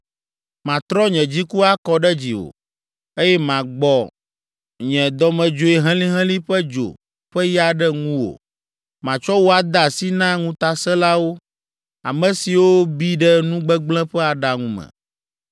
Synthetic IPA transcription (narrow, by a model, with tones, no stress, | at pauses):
mã˨t̪ɾɔ˦ɲɛ̃˨d͡ʑi˦ku˦a˦kɔ˨ɖɛ˦d͡ʑi˨wo̰˨ | e˦jɛ˦mã˨ɡ͡bɔ˨ | ɲɛ̃˨d̪ɔ˨mɛ̃˨d͡ʒo˨i˨ɦɛ̃˦lĩ˦ɦɛ̃˦lĩ˦ɸɛ˦d͡ʒo̰˨ | ɸɛ˦ja˦ɖɛ˦ŋũ˦wo̰˨ | mã˨t͡ʃɔ˦wo˦a˨d̪a˨si˦nã˦ŋũ˦t̪a˨sɛ˦la˦wo˦ | a̰˨mɛ̃˨si˨wo˦bi˦ɖɛ˦nũ˦ɡ͡bɛ˦ɡ͡blɛ̃˦ɸɛ˦a˨ɖa˨ŋũ˦mɛ̰̃˨